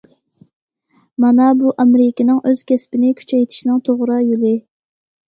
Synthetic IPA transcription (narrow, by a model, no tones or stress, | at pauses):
mɑnɑbuʔɑmɾɪkʲɪnɨŋʔøz̥kʲʰɛspɪnɪkʲʰy̥t͡ʃʰɛjt̪ʰɪ̥ʃnɨŋt̪ʰoʁɾɑjolɪ